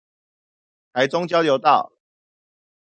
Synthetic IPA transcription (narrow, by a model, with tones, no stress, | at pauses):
t̪ʰa˨˦ɪt͡sʊ˥˦ŋt͡ɕjɑ˥ʊljo˨˧˦ʊt̪ɑ˥˨ʊ